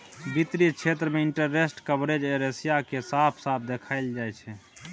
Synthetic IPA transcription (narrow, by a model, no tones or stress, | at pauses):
bit̪ɾit͡ʃʰet̪ɾəmeɪɳʈəɾːesʈkəbɾed͡ʒeɾesijakesaːpʰsap̚ʰd̪ekʰaɪld͡ʒajt͡ʃʰɛ